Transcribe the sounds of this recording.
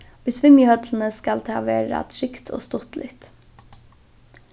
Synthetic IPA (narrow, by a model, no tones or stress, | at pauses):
ʊjsʋɪmjəhœt̪lən̩əskalt̪ʰɑːʋeːɾa̰t̪ʰɾɪkt̪ʰo̰ːst̪ʊt̪lɪ̰t̪